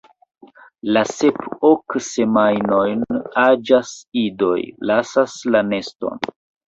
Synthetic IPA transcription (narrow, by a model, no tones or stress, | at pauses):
lase̞pokse̞majno̞jnad͡ʒasido̞̰jlasaslane̞sto̞̰n